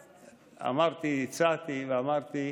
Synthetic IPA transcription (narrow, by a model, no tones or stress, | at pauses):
a̰maɾt̪isat̪ivamaɾt̪i